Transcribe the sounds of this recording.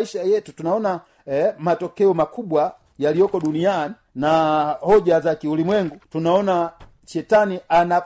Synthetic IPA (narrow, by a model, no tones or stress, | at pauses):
iʃajɛtutunaɔna | matɔkɛɔmakuɓwa | jalijɔkɔɗunianinahɔʄazakiulimwɛŋɡutunaɔna | ʃɛtaniana